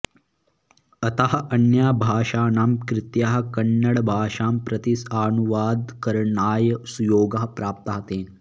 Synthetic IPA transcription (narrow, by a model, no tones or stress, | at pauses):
ɐt̪ɐɦɐɐnjaːbʱaːʃaːnaːmkɾɪt̪jaːɦɐ̆kɐɳːɐɽbʱaːʃaːmpɾɐt̪isaːnuʋaːd̪kɐɾɳaːjɐsujoːɡɐɦɐpɾaːp̚t̪ɐɦɐt̪eːn